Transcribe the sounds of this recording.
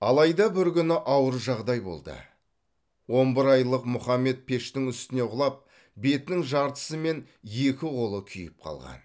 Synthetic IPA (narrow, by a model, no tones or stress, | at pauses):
ɑlˠɑjd̪ɑbɪɾkʲʏnɪʔɑwəɾʒɑʁd̪ɑjbo̞̰lˠd̪ə̰ | wo̞nbɪɾɑjlˠəqmʊχɑmːe̞t̪̚pʰe̞ʃt̪ɪŋʏst̪ɪne̞ʁʊlˠɑp̚ | be̞t̪nɪŋʒɑɾt̪ə̥səme̞n | je̞kʲɪʁo̞lˠəkʲʰʏjɪp̚qʰɑ̰lˠʁɑ̰n